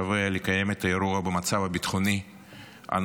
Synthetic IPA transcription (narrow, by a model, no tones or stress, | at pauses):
avelekaje̞met̪ajeɾuabemat͡savabit̪χoni | a̰n